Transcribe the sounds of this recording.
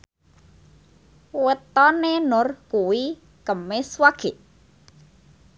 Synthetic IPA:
wət̪ɔnenʊrkuwi | kəmeswaɡ̥eʔ

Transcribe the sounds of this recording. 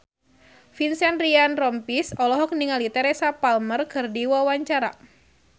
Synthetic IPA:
finsɛnrianrɔmpisɔlɔɦɔk̚niŋalit̪ɛɾesapalmərkɨrdiwawaɲt͡ʃaɾa̰

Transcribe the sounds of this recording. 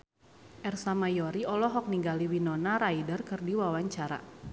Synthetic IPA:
ʔɛrsamajɔɾiɔlɔɦɔk̚niŋɡaliwinɔnaɾaidərkɨrdiwawaɲt͡ʃaɾa̰

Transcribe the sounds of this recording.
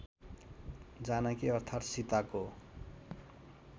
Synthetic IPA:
d͡zanakiʌrt̪ʰat̪sit̪ako

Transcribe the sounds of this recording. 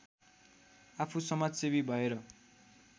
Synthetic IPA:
apʰusʌmad͡zsebibʱʌeɾʌ

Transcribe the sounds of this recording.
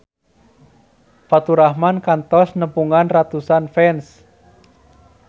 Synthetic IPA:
fat̪uɾahmankant̪ɔsnəmpuŋanrat̪usanfɛns

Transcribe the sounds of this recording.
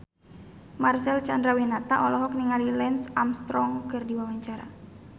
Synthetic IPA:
marsɛlt͡ʃandɾawinat̪aʔɔlɔɦɔkniŋalilɛnsamst̪ɾɔŋkɨrdiwawaɲt͡ʃaɾa̰

